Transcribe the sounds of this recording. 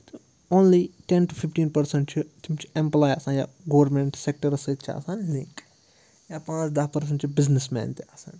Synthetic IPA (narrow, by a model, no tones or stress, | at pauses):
t̪o | oːnliʈẽnʈufʰifʈĩːnpɐɾsẽɳʈ̚t͡ʃʰit̪ʰimt͡ʃʰi̥ẽmplaːjɐsãːnja̰ːɡoːɾmẽɳʈsek̚ʈəɾɐsət̪̚t͡ʃʰiɐ̰saːnlĩŋk | jaːpãːt͡ʃd̪ɐpɐɾs̬ɐ̃ɳʈt͡ʃʰibɪznismɛ̰ːnt̪eɐsã̰ːn